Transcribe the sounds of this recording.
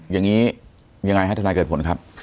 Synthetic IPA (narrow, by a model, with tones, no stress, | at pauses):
jaː˨˩ŋiː˦˥ | ja˧ŋa˧jha˥˩t̪ʰaː˧kɤː˨˩t̚po˩˦nkʰa˦˥p̚